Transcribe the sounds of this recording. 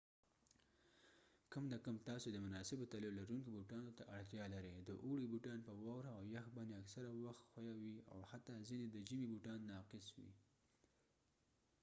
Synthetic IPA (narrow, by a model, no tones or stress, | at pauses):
kəmd̪akamt̪ɑsod̪əmʊnɑsɪbot̪alɪlaɾuŋkobuʈɑnot̪aʔaɽt̪jɑlaɾəjd̪əʔuɽibuʈɑnpəwɑwɾaːwjaxbɑnd̪eaksaɾawaxt̪xwajawia̰what̪ːɑzined̪əd͡ʒimibuʈɑnːɑqɪswḭ